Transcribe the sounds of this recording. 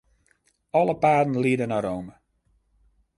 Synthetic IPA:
ɔləpaːdn̩liədənaɾowmə

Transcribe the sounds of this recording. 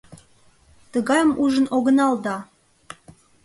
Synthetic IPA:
t̪əɣɑjəmuʒənʔoɣənɑld̪ɑ

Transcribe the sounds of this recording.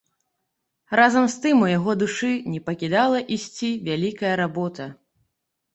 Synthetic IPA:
razɐmst̪ɨmujaɣɔd̪uʂɨnʲɛpɐkʲid̪alˠɐʔisʲt͡sʲivʲalʲikɐjɐɾabɔt̪ɐ

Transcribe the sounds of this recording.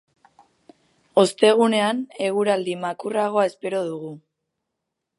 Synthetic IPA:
o̞st̪e̞ɣ̞une̞ane̞ɣ̞uɾald̪imakuraɣ̞o̞ae̞spe̞ɾo̞ðuɣu

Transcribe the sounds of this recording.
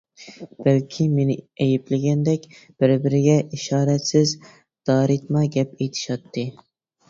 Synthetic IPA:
b̥ælkʲʰimenɪejɪplɪɡʲɛnd̪ɛkʲb̥ɪɾbɪɾɪɡʲɛiʃɑːɾɛt̪sɪz | d̪̥ɑːɾɪt̪mɑɡʲɛpejt̪ʰɪ̥ʃɑt̪ʰːɨ

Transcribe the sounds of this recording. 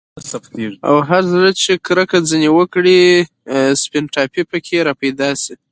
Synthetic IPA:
saft̪eʐia̰wɦaɾzɾat͡ʃekɾəkad͡zənewəkɽi | spɪnʈɑpipəkʰeɾɑpajd̪ɑsi

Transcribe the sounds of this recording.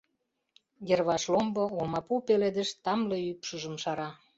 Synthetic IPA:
jĕrβɑʃlomboomɑpupeled̪ə̆ʃt̪ɑmleypʃuʒə̆mʃɑɾɑ

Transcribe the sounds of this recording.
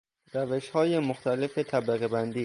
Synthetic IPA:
ræveʃhɒːjemoxt̪æle̞fe̞t̪ʰæbliɣebænd̪iː

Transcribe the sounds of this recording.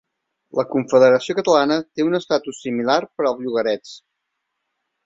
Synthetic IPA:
ləkuɱfəðəɾəsiokət̪əlanət̪eunəst̪at̪usːimilarpəɾəlˠzʎuɣəɾɛt͡s

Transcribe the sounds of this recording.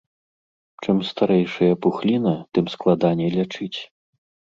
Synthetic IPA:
t͡ʂɨmst̪aɾɛjʂɐjɐpuxlʲinɐt̪ɨmsklˠad̪anʲɛlʲat͡ʂɨt͡sʲ

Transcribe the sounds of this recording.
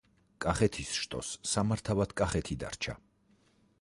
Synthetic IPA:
kʼaχɛt̪ʰisʃt̪ʼɔ̰sːamaɾt̪ʰavad̪̥kʼaχɛt̪ʰid̪a̰ɾt͡ʃʰa̰

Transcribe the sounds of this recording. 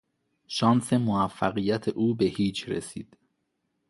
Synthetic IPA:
ʃɒːnse̞moæfːæɣijæt̪ʰeʔuːbe̞hiːt͡ʃʰɾḛsiːd̪̥

